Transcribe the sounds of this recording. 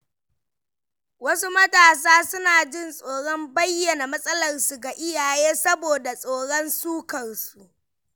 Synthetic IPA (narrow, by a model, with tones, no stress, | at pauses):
wɐ˦su˦mɐ˦taː˨s̬aː˦sʊ˦naː˨d͡ʒɪ˦˨nsʼoː˨ɽɔ˦mbɐ˦jːɐ˨na˨mɐ˦sʼɐ˦lɐ˨rsu˨ɡa˨ʔɪ˦jaː˨jeː˦sɐ˦boː˨da˨sʼoː˨ɽɔ˦nsuː˦kɐ˨rsu˨ʔ